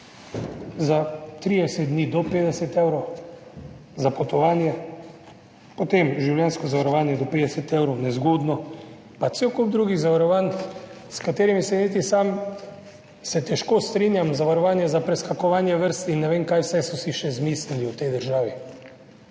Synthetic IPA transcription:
zat̪ɾiːd̪ɛsɛt̪̚d̪nid̪ɔpeːd̪ɛsɛt̪ewɾɔw | zapɔt̪ɔʋaːnjɛ | pɔt̪emʒiwljɛnskɔzaʋaɾɔʋaːnjɛd̪ɔpeːd̪ɛsɛt̪eːwɾɔwnɛzɡoːd̪nɔ | pat̪sewkub̚d̪ɾuːɡiɣzaʋaɾɔʋaːnskat̪eːɾimisɛnit̪̬isaːm | sɛt̪ɛʃkoːst̪ɾiːnjamzaʋaɾɔʋaːnjɛzapɾɛskakɔʋaːnjɛʋəɾst̪inːɛʋeːmkaːjwsajsɔsiʃɛzmiːsliliwt̪ɛjd̪əɾʒaːʋi

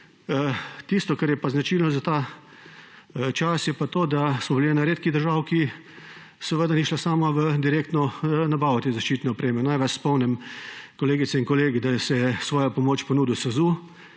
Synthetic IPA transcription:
ət̪ist̪ɔkaɾjɛpaznat͡ʃiːlnɔzat̪a | t͡ʃasjɛpat̪oːd̪asmɔbiliɛnaɾeːt̪̚kiɣd̪əɾʒaːwki | sɛʋəd̪aniːʃlasaːmaʋəd̪iɾeːk̚t̪nɔnabaːʋɔt̪eːzaʃt͡ʃiːt̪nɛɔpɾeːmɛnajʋɛt͡ʃspɔwnɛmkɔleːɡit̪sɛinkɔleːɡid̪asɛjɛsʋɔːjapɔmoːt͡ʃpɔnuːd̪iwsɐzuː

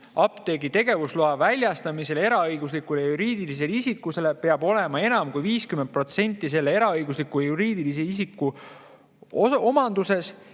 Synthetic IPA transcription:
ɑpt̪e̞ɡit̪e̞ɡ̥e̞vusluɑvælʲjɑst̪ɑmise̞le̞ɾɑɤjɡ̥uslikulejɑjuɾiːd̪̥ilis̬e̞lisikːˑuse̞lepe̞ɑbo̞le̞mɑe̞nɑmkujviːskyment̪̚pro̞t̪se̞nʲt̪ˑːis̬e̞lːee̞ɾɑɤjɡuslikːˑujɑjuɾiːd̪ilis̬e̞isikːˑu | oo̞mɑnd̪use̞s

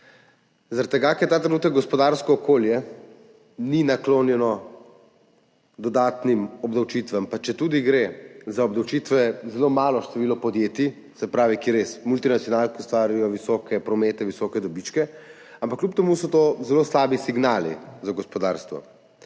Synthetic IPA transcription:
zaɾat̪t̪ːɛɡakɛɾt̪aːt̪ɾɛnuːt̪əkɡɔspɔd̪aɾskɔːkoːljɛ | ninakloːnjɛnɔ | d̪ɔd̪aːt̪nimɔbd̪awt͡ʃiːt̪ʋampat͡ʃɛt̪uːd̪iɡɾezaɔbd̪awt͡ʃiːt̪ʋɛzɛloːmaːlɔʃt̪ɛʋiːlɔpɔd̪jeːt̪i | sɛpɾaːʋikiɛɾesmult̪inat̪sijɔnaːlk̪iust̪ʋaːɾijɔʋisɔkɛpɾɔmeːt̪ɛʋisɔkɛd̪ɔbit͡ʃkɛ | ampakːljup̚t̪ɛmusɔt̪ozɛloːslaːbisiɡnaːlḭzaɡɔspɔd̪aːɾst̪ʋɔ̰

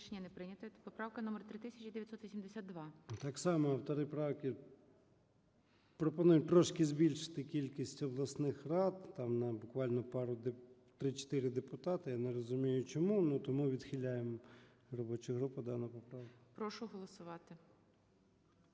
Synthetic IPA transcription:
ʃenʲːɐnɛpɾɪnʲɐt̪ɔpɔpɾɑwkɐnɔmert̪ɾɪt̪ɪsʲɐt͡ʃʲid̪eʋʲjt̪sɔt̪ʋʲisʲimd̪esʲad̪̚d̪ʋɑt̪ɑksɑmɔɐwt̪ɔɾɪpɾɑwkʲɪ | pɾɔpɔnujʊt̪ɾɔʃkʲɪzbʲilʲʃɪ̥t̪ɪkʲilʲkʲisʲtʲɔblˠɐsnɪxrɑd̪t̪ɑmnɐbʊkʋɑlʲnɔpɑɾʊd̪t̪ɾɪt͡ʃt̪ɪɾɪd̪epʊt̪ɑt̪ɪjaneɾɔzʊmʲijʊt͡ʃɔmunut̪ɔmuʋʲid̪xʲɪlʲajem | rɔbɔt͡ʃʊɦɾupɐd̪ɑnɐpɔpɾɑwkʊpɾɔʃʊɦɔlˠɔsʊʋɑt̪ɪ

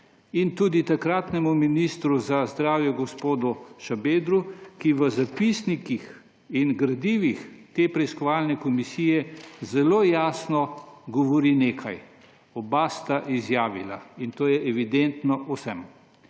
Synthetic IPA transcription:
int̪uːd̪it̪akɾaːt̪nɛmuminist̪ɾuzazd̪ɾaːwjɛɡɔspoːd̪uʃabeːd̪ɾukiʋəzapisnikix | inɡɾad̪iːʋixt̪eːpɾɛiskɔʋaːlnɛkɔmisiːjɛzɛloːjaːsnɔɡɔʋɔɾineːkʰaj | ɔbast̪aʔizjaːʋila̰int̪oːjɛʔɛʋid̪ent̪nɔʔɔsɛm

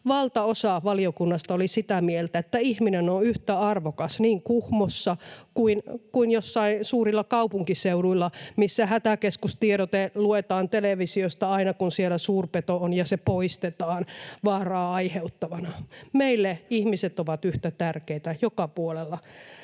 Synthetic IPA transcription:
ʋɑlt̪ɑosɑʋɑliokunːɑst̪ɑolisit̪æmielt̪æet̪ːæihminenoyht̪æɑrʋokɑsniːŋkuhmosːɑkuinkuinjosːɑinsuːrilːɑkɑupuŋkiseuɾuilːɑmisːæhæt̪ækeskust̪ieɾot̪eluet̪ɑːnt̪eleʋisiost̪ɑɑinɑkunsielæsuːrpet̪oonjɑsepoist̪et̪ɑːnʋɑːrɑːɑiheut̪ːɑʋɑnɑmeilːeihmiset̪oʋɑt̪yht̪æt̪ærkeit̪æjokɑpuolelːɑ

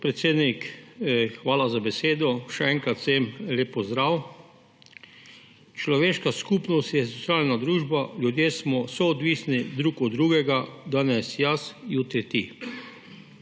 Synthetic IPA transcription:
pɾɛt̪seːd̪nik | xʋaːlazabɛseːd̪ɔʃɛɛŋkɾat̪sɛmleːpːɔzd̪ɾaw | t͡ʃlɔʋeːʃkaskuːpnɔst̪jɛsot̪sjaːlnad̪ɾuːʒbalʲjud̪jeːsmɔsɔːd̪ʋiːsnid̪ɾuːkɔd̪ɾuːɡɛɡad̪anɛsjasjut̪ɾit̪i

